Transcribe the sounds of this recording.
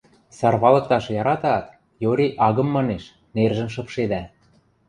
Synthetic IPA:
sɑrβɑlɤ̆k̚t̪ɑʃjɑɾɑt̪ɑt̪ | joɾʲiʔɑɣɤ̆mːɑneʃ | nerʒə̆mʃ̬ɤ̆pʃed̪æ

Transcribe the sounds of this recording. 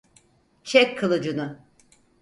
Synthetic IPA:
t͡ʃʰɛkkʰːalˠɯd͡ʒɯnʊ

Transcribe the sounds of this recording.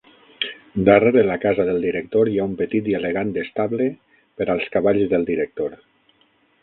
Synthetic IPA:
d̪əreɾelakazaðəlˠd̪iɾek̚t̪oɾjaumpət̪it̪ieleɣand̪est̪aβle | pəɾalˠskaβaʎzðəlˠd̪iɾək̚t̪oɾ

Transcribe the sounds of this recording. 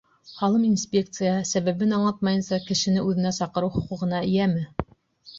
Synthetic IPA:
χɑlˠɤminsʲpʲek̚t̪sɨjɑsæβæβɘnɑɴlˠɑt̪̚mɑjɤ̆nsɑkɘ̆ʃɘ̆nɘʉðɘ̆næsɑqɤ̆ɾɤwχŏqŭʁɤ̆nɑɘ̆jæmɘ

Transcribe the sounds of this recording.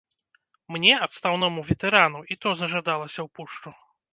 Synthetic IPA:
mnʲɛɐt̪st̪awnɔmuvʲɛt̪ɛɾanuit̪ɔzɐʐad̪alˠɐsʲɐwpuʂt͡ʂu

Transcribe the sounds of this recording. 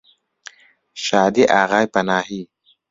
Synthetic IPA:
ʃaːd̪iʔaːɣajpanaːɦi

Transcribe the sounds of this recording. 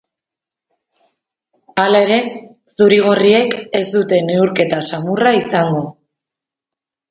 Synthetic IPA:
alae̞ɾe̞ | suɾiɣ̞o̞rie̞ke̞zd̪ut̪e̞neuɾke̞t̪asamuraisaŋɡo̞

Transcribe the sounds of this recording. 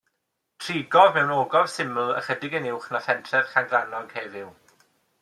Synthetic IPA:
tʰriːɡɔvmɛwnoːɡɔv̥sɪml̩ˠə̰χədɪɡənɪwχnafɛntʰrɛð̥χaŋɡranɔɡ̥hɛvɪw

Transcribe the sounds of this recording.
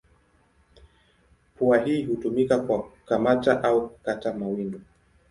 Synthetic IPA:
puaɦiːhutumikakwakamataʔaukukatamawindu

